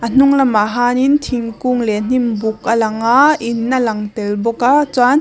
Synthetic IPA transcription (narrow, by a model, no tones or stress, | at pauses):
ʔən̥uŋlɐmaɦaːnint̪ʰiŋkuŋlɛn̥imbuk̚əlɐŋainːalaŋt̪ɛlbɔkat͡san